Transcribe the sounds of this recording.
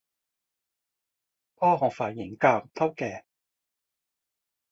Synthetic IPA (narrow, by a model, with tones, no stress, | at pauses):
pɔː˥ɦɔː˨˩ŋfaː˨˩nji˨˩ŋkaː˧wt̪ʰɐ˥wkɛː˨˩